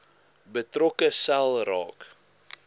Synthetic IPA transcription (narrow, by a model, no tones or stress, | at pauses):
bətrɔkəsælˠrɑ̰ːk